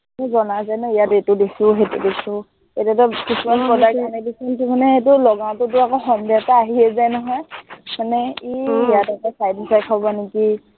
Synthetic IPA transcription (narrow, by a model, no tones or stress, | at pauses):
nɛzɔnazajnɔijadetʊdisʊɦetṵdisʊ | etatʊkisumaspɹɔdakanɛdisɔntukʰanɛetʊlɔɡãw̃tʊt̬ʊakɔxɔmbʱataːɦiɛzajnɔɦɔjmanɛiijatakɔsajd̚isajkʰɔbɔniki